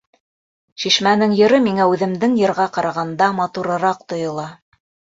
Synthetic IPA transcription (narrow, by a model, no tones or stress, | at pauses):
ʃiʃmænɘŋjɤ̆ɾɤmiŋæʉðɘ̆md̪ɘŋjɤ̆ɾʁɑqɑɾɑʁɑnd̪ɑmɑt̪uɾɤ̆ɾɑq̚t̪ŏjɤ̆lˠɑ